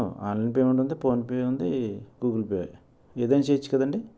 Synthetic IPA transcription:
ua̰ːnlɐjnpeːʋuɳʈund̪ipoːnpeːund̪ikuːkulpea̰j | eːd̪eːnt͡ʃeːt͡ʃːi̥kɐd̪ɐɳɖi

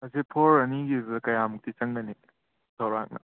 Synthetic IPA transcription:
ɐsepʰoɾɐniɡizkɐjamuk̚t̪it͡ʃɐŋnɐni | sʰɐwɾa̰k̚nɐ̰

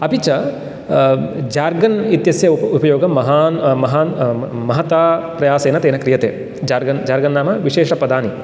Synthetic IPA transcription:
ɐpit͡ʃɐ | d͡ʒaːɾɡɐnit̪jɐsjɐupɐjoːɡɐmɐɦaːnmɐɦaːnmɐɦɐt̪aːpɾɐjaːseːnɐt̪eːnɐkɾijɐt̪eː | d͡ʒaːɾɡɐnd͡ʒaːɾɡɐnːaːmɐʋiʃeːʂɐpɐd̪aːni

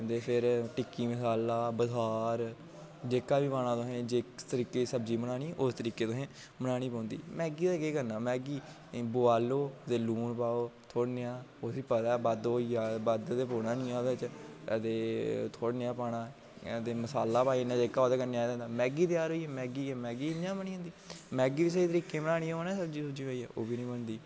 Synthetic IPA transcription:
nd̪eːpʰɪɾʈɪkːiːməsaːlaːbəsaːɾ | d͡ʒeːkaːbiːpaːɽ̃ãːt̪ʊɦẽːd͡ʒeːt̪əɾiːkeːsəbd͡ʒiːməñaːɽ̃iːʔʊst̪əɾiːkeːt̪ʊsẽː | mənaːɽ̃iːpãːnd̪ḭːmɛːɡiːd̪aɡeːkəɾnaːmɛːɡiː | boːaːloːt̪eːluːnpaːoːt̪ʰoːɽneãːosiːpət̪aːbad̪oːijaːbəd̪t̪eːpoːnãːnɪ̃ːãːd̪t͡ʃt̪eːt̪ʰoːɽneaːpaːɽaː | t̪eːməsaːlːaːpaːinaːd͡ʒekaːd̪aːkəɾneaːid̪ɛ̃ːnd̪aːmɛːɡiːt̪ɪjaːɾɦoːiːɛːmɛːɡiːɛːmɛːɡiːɪnjãːməniːɦʊ̃nd̪iːmɛːɡiːʋiːs̬əiːt̪əɾiːkeːmənaːɽ̃iːoːnɛ̃ːsəbd͡ʒiːsəbd͡ʒiːoːɛːo̰ːbiːnĩːmənd̪iː

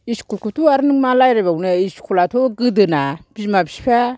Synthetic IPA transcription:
iskʰulkutʰuaɾɯnɯŋmalajɾabawneiskʰulatʰoɡɯdɯnab̥izmabispʰa

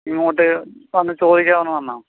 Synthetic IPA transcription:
iŋːɐoːʈ̬ːɨʋɐnːɨt͡ɕo̞ːd̪ikʲːaːʋɐnːʋɐnːaː

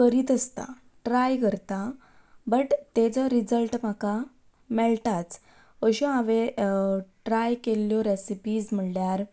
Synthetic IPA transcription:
kəɾiːt̪əst̪a̰ | ʈɾajkəɾt̪a | bəʈt̪ed͡zəɾid͡zəlʈm̤aka | mɛɭt̪at͡s | ʋəɕɔaʋe | ʈɾajkelːjɔɾesipiːsm̤əɳljaɾ

